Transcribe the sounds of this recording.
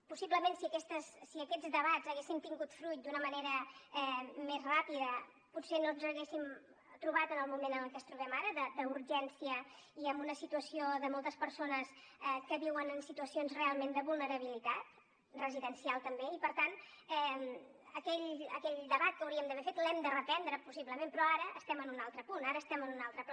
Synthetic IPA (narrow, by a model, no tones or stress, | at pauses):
pusibləmẽnsiəkɛst̪əsːiəkɛd͡zd̪əβazəɣesint̪iŋɡut̪fɾujt̪̚d̪unəməneɾəɛmezrapiðə | pusenonzəɣesim | t̪ɾuβat̪ənəlˠmumenənəlˠkɛst̪ɾuβɛmaɾəðəd̪əuɾʒɛnsiəiəmbunəsit̪uəsioðəmɔlˠt̪əspəɾsonəsɛkəβiwənənsit̪uəsionzrealˠmend̪əβulˠnəɾəβ̞ilit̪at̪ | rəziðənsialˠt̪əmbeipəɾt̪an | ɛ | əkɛʎə̰kɛʎd̪əβat̪̚kəwɾiəmd̪əβɛfet̪lɛmd̪ərəpɛnd̪ɾəpusiβləmẽnpɾɔaɾəʔəst̪ɛmənunalˠt̪ɾəpunaɾəːst̪ɛmənunalˠt̪ɾəp